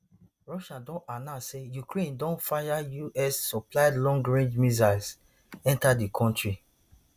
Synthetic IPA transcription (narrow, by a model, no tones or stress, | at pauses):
ɹɔʃãdɔ̃nanãsejukɹẽndɔ̃nfajajuʔɛsːɔplaɪdlɔ̃ŋɡɹẽnd͡ʒmizals | ɛ̃ntadikʰɔ̃ntɹi